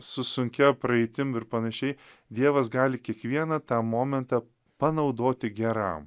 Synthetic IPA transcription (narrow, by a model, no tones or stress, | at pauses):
sʊsʊŋʲkʲɛpɾɐɛɪt̪ʲɪmɪɾpɐnɐʃʲɛɪ | d̪ʲiɛʋɐsɡɑːlʲɪkʲiɛkʋʲiɛnɐt̪ɑːmoːmʲɛnt̪ɑ | pɐnɐʊd̪oːt̪ʲɪɡʲɛɾɐ̰m